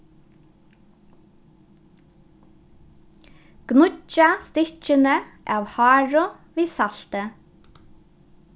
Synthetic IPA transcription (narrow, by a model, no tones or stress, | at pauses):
ɡ̥nʊcɑst̪ɪt͡ʃənəʔɑːʋhɑːɹʊ | ʋiːsɑlt̪ə